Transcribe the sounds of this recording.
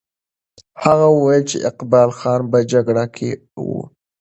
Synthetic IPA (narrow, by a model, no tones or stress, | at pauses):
haɣawəwajəlt͡ʃḛʔɪqbɑlxɑnbəd͡ʒaɡɽakʰe | wṵ